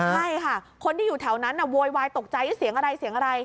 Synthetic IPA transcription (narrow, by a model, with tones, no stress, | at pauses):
t͡ɕʰa˥˩jkʰa˥˩kʰo˧nt̪ʰiː˥˩juː˨˩t̪ʰɛ˩˦wna˦˥nʔa˧˩woː˧jwaː˧jt̪o˨˩k̚t͡ɕa˧jɯː˦˥˩si˩˦ŋʔa˧ɾa˧jsi˨˩˦əŋʔa˧ɾa˧j